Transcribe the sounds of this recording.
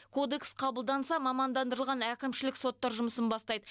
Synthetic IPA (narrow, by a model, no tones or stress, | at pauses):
kʰo̞d̪e̞ksqʰɑbəlˠd̪ɑnsɑmɑmɑnd̪ɑnd̪əɾəlˠʁɑnækʲɪmʃɪlɪkso̞t̪ːɑɾʒʊməsənbɑst̪ɑjd̪ə